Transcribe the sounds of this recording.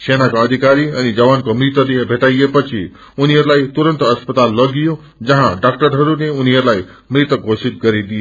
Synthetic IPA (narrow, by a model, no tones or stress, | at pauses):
ʃenakaəd̪ʱikaɾiənid͡ʒəʋankomɾit̪ənebʱeʈajjepət͡ʃʰi | unijəɾlait̪uɾənt̪əspət̪alːəɡijũ | d͡ʒəɦãɖak̚ʈəɾɦəɾuneunijəɾlai | mɾɪt̪əɡʱoʃit̪̚kəɾid̪ie